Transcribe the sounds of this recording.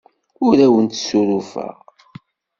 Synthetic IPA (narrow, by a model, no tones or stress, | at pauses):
ʊɾæwənt̪suɾufæ̰ʁ